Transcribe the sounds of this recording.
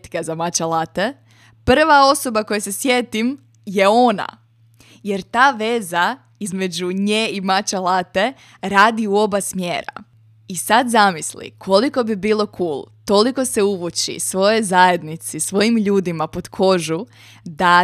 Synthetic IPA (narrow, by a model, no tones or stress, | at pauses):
t̪kazamat͡ʃalaːt̪e̞ | pr̩ʋao̞so̞bako̞jese̞sjet̪im | je̞o̞na̰ | je̞ɾt̪aːʋe̞za | izme̞d͡ʑuɲeːimat͡ɕalaːt̪e̞ | ɾaːd̪iuo̞basmjeːɾa̰ | isad̪zamislḭkʰo̞liko̞bibiːlˠo̞kʰuːlˠt̪o̞liko̞seuʋut͡ɕḭsʋo̞jozaje̞d̪nit̪sisʋo̞jimʎuːd̪imapo̞t̪kʰo̞ʒu | d̪a